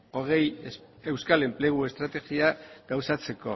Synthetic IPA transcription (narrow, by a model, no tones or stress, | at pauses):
o̞ɣe̞j | e̞wskale̞mple̞ɣ̞ue̞st̪ɾat̪e̞ɣiaɡ̥awsat͡se̞ko̞̰